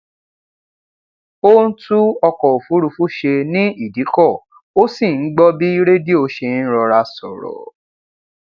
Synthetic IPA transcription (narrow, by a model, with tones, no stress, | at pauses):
o˦n̩˦tu˦ɔ˧kɔ˨o˨fu˨˦ɾu˧˦fu˦ʃe˧nĩ˦i˦˨di˨˦kɔ˦˨ | o˦si˦˨n̩˦ɡ͡bɔ˦bi˦i˦ɾe˦di˦o˧ʃe˧n̩˦ɾɔ˧ɾa˧sɔ̰˨ɾɔ̰˨